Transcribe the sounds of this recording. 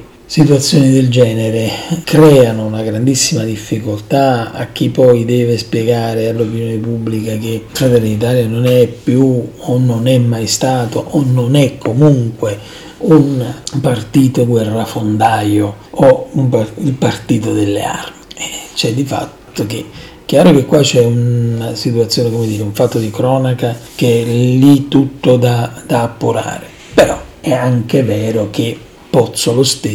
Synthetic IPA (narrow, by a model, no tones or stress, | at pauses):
sit̪uat̪sːjɔːnid̪ɪld͡ʒɛːneɾekɾɛːanʊunaɡɾand̪isːimad̪ifːikolt̪aa̰k̟ːipɔjd̪ɛːvespjɛɡaːɾealːopinjoːnɪpubːlikak̟efɾat̪ɛlːidnit̪̬aːljanonɛpːjuonːonɛmːajst̪aːt̪oʔɔnːonɛkʰːomuŋkwe | unpart̪iːt̪oɡwɛrːafond̪aːjo | oumpailpart̪iːt̪od̪elːḛa̰rmit͡ʃɛd̪ifa̰t̪ːokḛ | k̟jaːɾok̟ekːwat͡ʃːɛunasit̪uat̪sːjoːnekomed̪iːɾeuɱfat̪ːod̪ikɾɔːnakak̟eɛlit̪ːut̪ːod̪ad̪̥aːpːuɾa̰ːɾe | peɾɔ̰ɛaŋkevɛːɾok̟e | pːɔt̪sːolost̪e